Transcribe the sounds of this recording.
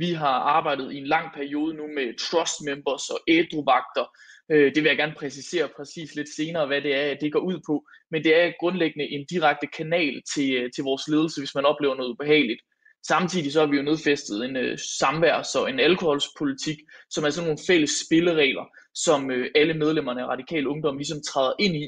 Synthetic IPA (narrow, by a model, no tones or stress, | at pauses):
ʋiɦɑ̈ɑ̈ːb̥ɑ̈ɪ̰d̥ð̞̩ˠie̝nlɑ̈ŋ̰pʰæɐio̝ːð̞ˠənumet͡sʰʁɒ̽sd̥memb̥ɐsɒ̽ʔed̥ʁoʋɑ̈ɡ̥̚d̥ɐød̥eʋe̝jaɡ̥æɐnpʰʁɛsise̝̰ːɐpʰʁɛsḭːsle̝d̥se̝ːnɐːʋæd̥e̝æɐd̥e̝ɡ̥ɒ̰ːuð̰ˠpʰɒ̽ | mend̥e̝æɐɡ̥ʁɔ̽nleɡ̥ənəʔe̝nd̥iʁaɡ̥̚d̥əkʰænɛ̰ːlt͡sʰe̝t͡sʰe̝lʋɒːsle̝ːð̞ˠl̩səʋe̝smænɒ̽b̥le̝ːʊɐno̽ːð̩ˠub̥e̝ɦɛ̰ːɪlid̥ | sɑ̈mt͡sʰið̰ˠis̬ɒ̽hɑ̈ʋijo̝ne̝ð̞ˠfesd̥ð̞̩ˠe̝nøsɑ̈mʋæɐ̰sɒ̽e̝nælkʰo̝hɒ̽lspʰo̝lit͡sʰiɡ̥sɒ̽mæɐs̬ɒ̽nːo̝ːn̩feləsb̥e̝ləʁɛ̰ːlɐ | sɒ̽møʔæləmeð̞ˠlem̰ɐnəæʁɑ̈d̥ikʰɛ̰ːləɔ̽ŋd̥ɒ̽mlis̬ɒ̽mt͡sʰʁɑːðˠɐʔe̝n̰i